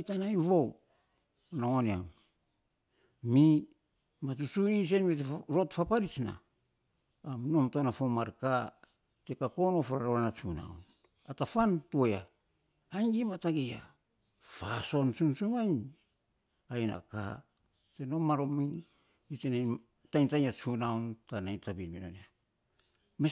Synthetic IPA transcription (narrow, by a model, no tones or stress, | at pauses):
ajtanajβow | noŋonia̰wn | mi | mat̬usunis̬enβitɾotfapaɾit͡ʃna̰ | mno̞mtonafomaɾka | tekakono̞fɾaɾaɾanat͡ʃuna̰wn | atafantuoa | aŋɡimataɡeja | faso̞nsunsumaj | ajna̰ka̰ | teno̞maɾomiŋ | itena | tajntajɲat͡ʃunawntanajtabinmino̰na | me